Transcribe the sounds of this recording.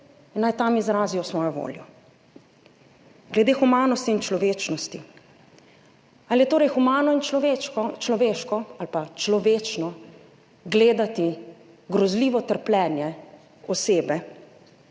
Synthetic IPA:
inːajt̪amizɾaːzijɔsʋɔːjɔʋo̰ːljɔ | ɡlɛd̪eːxumaːnɔst̪iːnt͡ʃlɔʋeːt͡ʃnɔst̪i | aljɛt̪oːɾɛjxumaːnɔineɔt͡ʃlɔʋeːʃkɔalpat͡ʃlɔʋeːt͡ʃnɔ | ɡleːd̪at̪i | ɡɾɔzliːʋɔt̪əɾplʲɛːnjɛ | ɔseːbɛ

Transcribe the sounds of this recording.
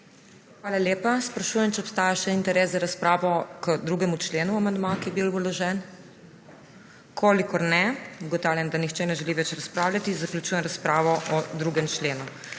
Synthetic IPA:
xʋaːlaljeːpaspɾaʃujɛmt͡ʃɛɔpst̪aːjaʃɛint̪ɛɾeːsaɾaspɾaːʋɔkəd̪ɾuɡɛmut͡ʃleːnuamand̪makiɛbilɔlɔʒɛn | kʰoːlikɔɾnɛɡɔt̪aːwljand̪anixt͡ʃɛnɛʒɛliʋɛt͡ʃɾaspɾaːwlʲjat̪izaklʲut͡ʃujɛmɾaspɾaːʋɔʔɔd̪ɾuɡɛmt͡ʃleːnu

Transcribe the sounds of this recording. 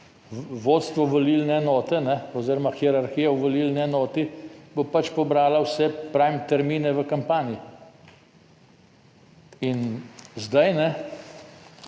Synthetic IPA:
ʋoːt̪st̪ʋɔʋoliːlnɛɛnɔːt̪ɛnɛɔziːɾɔmaxiɛɾaɾxijauʋoliːlnɛːnɔːt̪ibopat͡ʃpɔbɾaːlawsɛpɾaːmt̪ɛɾmiːnɛʋəkampaːnji | inzd̪ajnɛ

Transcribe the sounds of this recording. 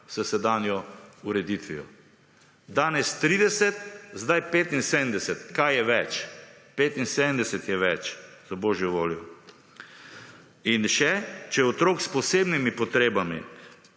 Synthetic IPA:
sɐsɛd̪aːnjɔuɾɛd̪it̪ʋijɔ̰ | d̪aːnɛst̪ɾiːd̪ɛsɛt̪zd̪ajpeːt̪inseːd̪əmd̪ɛsɛt̪kajjɛʋɛt͡ʃpeːt̪inseːd̪əmd̪ɛsɛt̪jɛʋɛt͡ʃ | zabɔːʒjɔʋoːljɔ | inʃɛt͡ʃɛjɛɔt̪ɾoːkspɔseːbnimipɔt̪ɾeːbamḭ

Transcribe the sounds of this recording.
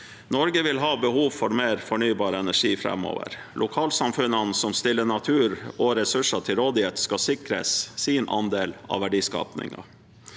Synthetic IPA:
nɔɾɡəʋɪlɦɑːbəhuːʋfɔɾmeːɾfɔɳyːbɑːɾəɛnæʂiːfɾɛ̰mːo̰ːʋə̰ɾ | lʔʊkʰɑːlsɑmfʉnɑnsɔmst̪ɪlːəɳɑt̪ʰʉːɾɔɾɛsʉʂɑʈʰɪlɾoːd̪ɪheːt̪skɑsɪkɾə̰sːinʔɑ̰nd̪eːlɑ̰ʋæɖiːskɑ̰ːpnɪ̰ŋɑ̰

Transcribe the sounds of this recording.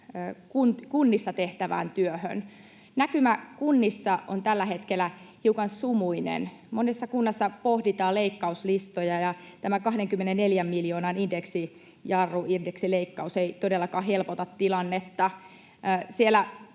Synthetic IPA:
kunt̪kunːisːɑt̪eht̪æʋæ̰ːnt̪yøhø̰n | nækymækunːisːɑo̰nt̪ælːæhet̪kelːˑæhiukɑnsumuinḛn | monesːɑkunːɑsːɑpohdit̪ɑːleikːɑuslist̪ojɑjɑ | t̪æmækɑhdeŋkymːenenneljæmːiljoːnɑnindeksi | jɑrːuirdeksileikːɑuseit̪odelːɑkɑːɦelpot̪ɑt̪tilɑnːet̪ːɑ | sielːˑæ

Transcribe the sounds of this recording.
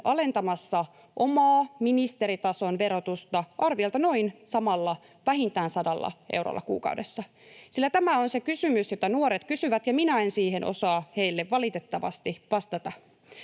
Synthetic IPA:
ʔɑle̞nt̪ɑmɑsːɑ | ʔomɑːminist̪e̞ɾit̪ɑso̞nʋe̞ɾot̪ust̪ɑʔɑrʋiɑlt̪ɑno̞insɑmɑlːɑ | ʋæhint̪æːnsɑdɑlːɑ̰ʔḛwro̰lːɑ̰kṵːkɑ̰udesːɑ | silːæt̪æmæonsekysymysjot̪ɑnuoɾet̪kysyʋæt̪jɑminæe̞nsiːhenʔo̰sɑːhe̞jlːeʋːɑlit̪et̪ːɑʋɑ̰st̪iʋɑst̪ɑt̪ɑ

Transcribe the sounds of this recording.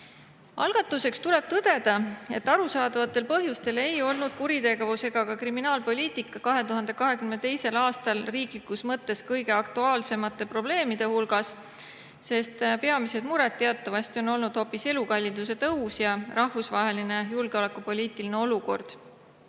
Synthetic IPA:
ɑ̰lɡ̥ɑt̪ːˑuse̞kst̪ule̞b̥t̪ɤd̪̥e̞d̪̥ɑe̞̰t̪ːˑɑɾusɑːd̪̥ɑvɑt̪ːˑe̞lpɤɦjust̪e̞le̞jo̞lnud̪̥̚kuɾit̪e̞ɡe̞vuse̞ɡ̥ɑkɑkriminɑːlpo̞lʲiːt̪ˑikːˑɑkɑɦe̞t̪uɦɑnd̪̥e̞kɑɦe̞kymːet̪e̞jse̞lɑːst̪ɑlriːklikːˑusmɤt̪ːˑe̞skɤjɡ̥e̞ɑkt̪uɑːlse̞mɑt̪ːˑe̞pro̞ble̞ːmid̪̥e̞hulɡɑs | se̞st̪peɑmise̞d̪̥muɾɛt̪ːe̞ɑt̪ːˑɑvɑst̪io̞no̞lnud̪̥ho̞pːˑise̞lukɑlʲːind̪̥use̞t̪ɤusjɑrɑhvusvɑɦe̞line̞julɡ̥eo̞le̞kːupo̞lʲiːt̪ˑiline̞o̞luko̞̰rd̪̥

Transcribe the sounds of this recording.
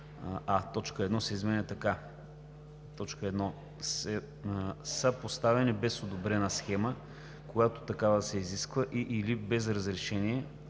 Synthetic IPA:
at̪ɔt͡ʃkəɛd̪nɔsɛizmɛnʲɛt̪ɐka | t̪ɔt͡ʃkəɛd̪nɔ | sɛ | səpost̪avɛnibɛsod̪obɾɛnəsxɛmə | kojat̪o̥t̪ɐkavəd̪sɛiziskvəʔiʔilibɛzɾɐzɾɛʃɛniɛ

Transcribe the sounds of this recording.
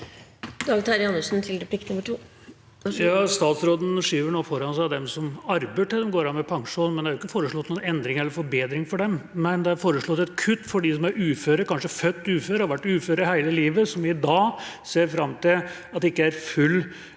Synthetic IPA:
d̪ɑːɡt̪ʰɑɾɪɑnːəʂn̩t̪ʰɪld̪ɛpʰlɪkt̪nʊmːəʈʰuː | jɑːst̪ɑːt̪sɾoːd̪n̩ʂiːʋəɳoːfɔɾɑnsæd̪ɛmsɔmɑɾbəʈɪld̪ɛmɡoːɾɑnmɛpʰɑŋʂuːnmɛnæɾʊɪkːəfoːɾəʂɭɔt̪ːnuːnɛnd̪ɾɪŋɛlːəɾfɔɾbeːd̪ɾɪŋfɔɖɛmmɛnd̪ɛæɾfoːɾəʂɭɔt̪ːɛt̪kʰʉt̪ːfɔɖɪsɔmæɾʉːføːɾəkɑnʂəfœt̪ːʉːføːɾəhɑɾʋæʈːʉːføːɾəəhæɪləliːʋəsɔmʋɪɪd̪ɑːseːɾfɾɑmːt̪ɪl | ɑt̪d̪ɛɪkːəæɾfʉlː

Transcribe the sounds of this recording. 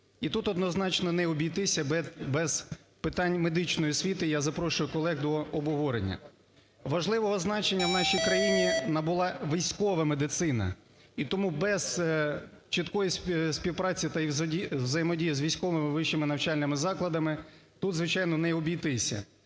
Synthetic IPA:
it̪ut̪ɔd̪nɔznɑt͡ʃnɔnɛɔbʲijt̪ɪsʲɐɛbɛz̥pɪt̪ɑnʲme̞d̪ɪt͡ʃnɔjisʲʋʲit̪ɪjazɐpɾɔʃʊjʊkɔlˠɛɣd̪ɔɔbʊɦɔɾḛnʲːɐ̰ | ʋɐʒlˠɪʋɔɦɔznɑt͡ʃenʲːɐwnɑʃʲijkɾɐjinʲinɐbʊlˠɑʋʲijsʲkɔʋɐmed̪ɪt̪sɪnɐ̰ | it̪ɔmubɛz̥ | t͡ʃɪt̪kɔjissʲpʲiwpɾɑt͡sʲit̪ɐizʲiwzɐjemɔdʲijizʲʋʲijsʲkɔʋɪmɪʋɪʃt͡ʃːɪmɪnɐwt͡ʃɑlʲnɪmɪzɑklˠɐd̪ɐmɪ | t̪ut̪zʋɪt͡ʃɑjnɔnɛɔbʲijt̪ɪsʲɐ̰

